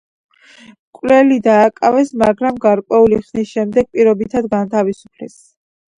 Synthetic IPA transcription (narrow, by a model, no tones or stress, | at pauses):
kʼlɛlid̪aːkʼavɛsmaɡɾamɡaɾkʼwɛuliχnisʃɛmd̪ɛɡ̚pʼiɾɔbit̪ʰad̪ɡant̪ʰavisu̥pʰlɛ̰s